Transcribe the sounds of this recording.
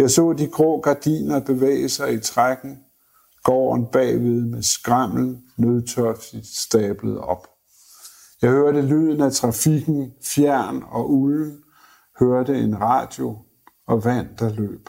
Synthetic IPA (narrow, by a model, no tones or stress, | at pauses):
jɑ̈ɪsɔ̰̽ːd̥iɡ̥ʁɔ̰ːɡ̥ɑ̈d̥ḭːnɐb̥e̝ʋḛːɪəsɑ̈ɪit͡sʰʁaɡ̥n̩ | ɡ̥ɒ̰ːnb̥ɛ̰ːʋe̝ð̞ˠmesɡ̥ʁɑm̰ln̩nøð̞ˠt͡sʰœɐfisd̥ɛ̰ːb̥ləð̩ˠɒ̽b̥ | jɑ̈ɪhøɐɾəly̰ðˠn̩æt͡sʰʁɑ̈fiɡ̥n̩fjæɐ̰nɒ̽ʔuln̩ | høɐdəe̝nʁɑ̈ːd̥jo̝ | ɒ̽ʋæn̰d̥ɑ̈lø̰ːb̥